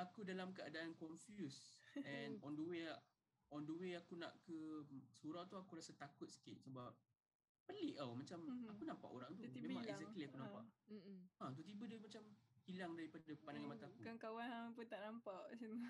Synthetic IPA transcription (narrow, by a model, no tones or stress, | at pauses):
akudalamkəadaʔankɔnfjusɛ̃nɔndəweʔ | ɔndəweakuna̰ʔkəsuɾawt̪uakuɾasət̪akʊt̪̚sə̥kit̪̚səbap̚ | pəliʔawmat͡ʃamakunãmpa̰ʔo̰ɾaŋt̪̬umẽmãŋɛzɛkliakunãmppa̰ʔat̪̬ut̪̬ibədəmat͡ʃamhilaŋdaɾipadapandaŋãmat̪akukaŋkawanapət̪aʔnampaʔsim